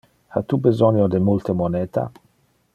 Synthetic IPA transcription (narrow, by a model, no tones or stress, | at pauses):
hat̪ubezɔɲod̪emult̪emonɛːt̪a̰